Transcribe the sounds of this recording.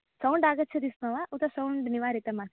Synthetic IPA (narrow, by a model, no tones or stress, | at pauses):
sɐwɳɖaːɡɐt͡ʃʰɐd̪ismɐʋaʔut̪ɐsɐwɳɖniʋaːɾit̪ɐma